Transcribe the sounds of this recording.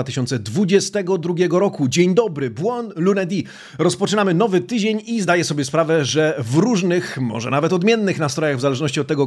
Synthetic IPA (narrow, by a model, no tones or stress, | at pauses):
at̪ɘ̥ɪɕɔnt̪sɛd̪vud͡ʑɛst̪ɛɡɔd̪ɾuɡʲɛɡɔɾɔkud͡ʑeɲd̪ɔbɾɘbwɔnlunɛd̪ʲi | ɾɔspɔt͡ʂɘnamɘnɔvɘt̪ɘd͡ʑeɲizd̪ajɛsɔbʲjɛspɾavɛʐɛvɾuʐnɘxmɔ̰ʐɛ̰navɛt̪ɔd̪mʲjɛnːɘxnast̪ɾɔjaɣvzalɛʐnɔɕt͡ɕiɔt̪ːɛɡɔ